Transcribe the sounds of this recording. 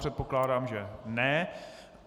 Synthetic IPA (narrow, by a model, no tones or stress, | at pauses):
r̝̥ɛt̪̚po̞klaːdaːmʒɛnɛ